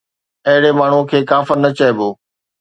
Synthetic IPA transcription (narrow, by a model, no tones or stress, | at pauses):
ɐɦɪɽemaːɳ̤ukʰeːkaːfɪɾnɐt͡ɕɐeboː